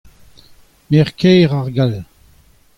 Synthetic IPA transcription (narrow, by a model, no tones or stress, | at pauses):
mɛʁkʰɛːʁaʁɡal